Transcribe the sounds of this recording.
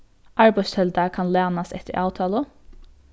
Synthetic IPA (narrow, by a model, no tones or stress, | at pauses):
ʔɑɹbæshɛld̪ɑkʰɑnlæːnɑsɛt̪əɹʔɑːt̪ʰɑːlə